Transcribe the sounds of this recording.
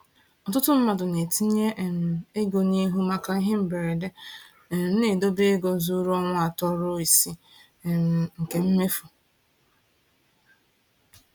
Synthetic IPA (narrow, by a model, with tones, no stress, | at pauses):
ɔ˨tʊ˦tʊ˦m̩˦ma˨dʊ˨ne˨ti˦ɲe˦˨m˨e˦ɡo˨ɲe˦ɦu˦ma˦ka˦i˦ɦe˦m̩˨be˨ɾe˨de˦˨ | n̩˦ne˨do˦be˦e˦ɡo˨zu˦ɾɔ˦ŋʷʊ˦a˨tɔ˦ɾʊ˦i˨si˦˨ | ŋ̩˨ke˨m̩˦me˦fu˨